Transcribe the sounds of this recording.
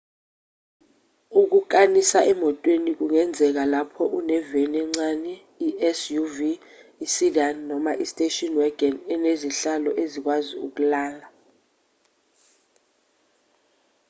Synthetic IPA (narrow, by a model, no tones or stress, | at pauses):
uk̬uk̬ʼanisaʔɛmɔtʼwenik̬uŋɛnd͡zʱɛk̬alapʰɔʔunɛveniɛŋ͡ǀanɛ | iʔɛsjuviː | sidanːɔmaʔistʼetʼɔnwɛɡɛnɛneziɬalɔʔezik̬waziuk̬ulaːla